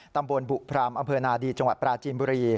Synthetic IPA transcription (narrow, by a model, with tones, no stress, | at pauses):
t̪a˧mbo˧nbu˨˩ʔpʰɾaː˧mʔa˧mpʰɤː˧naː˧diː˧t͡ɕa˧ŋwa˨˩t̪̚pɾaː˧t͡ɕiː˧mbuː˧ɾiː˧